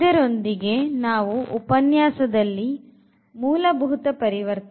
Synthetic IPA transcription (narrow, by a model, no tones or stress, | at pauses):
ɐɾo̞nd̪iɡe̞naːʋuʔupɐnjaːsɐd̪ɐlːi | muːlɐbʱuɦut̪ɐpɐɾiʋɐɾt̪